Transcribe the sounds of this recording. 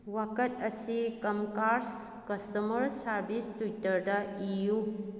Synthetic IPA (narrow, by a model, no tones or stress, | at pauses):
wakɐtɐsikɐmkaɾs | kɐstɐmɐɾsaɾbistujtɐɾdɐiju